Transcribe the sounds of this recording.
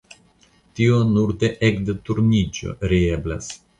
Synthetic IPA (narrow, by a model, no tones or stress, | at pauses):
t̪ionuɾd̪eʔekd̪et̪uɾnid͡ʒo̞̰ɾiebla̰s